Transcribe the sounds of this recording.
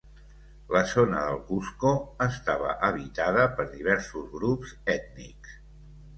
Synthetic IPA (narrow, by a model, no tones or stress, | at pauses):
ləzonə̰ðəlˠkuskoəst̪aβə̰ʔəβit̪aðəpəɾðiβɛɾsuzɣɾupz̥ɛt̪niks